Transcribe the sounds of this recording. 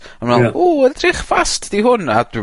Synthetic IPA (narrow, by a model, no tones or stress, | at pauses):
anmɛlˠuːəndrɪχvastʰd̥iɦʊnad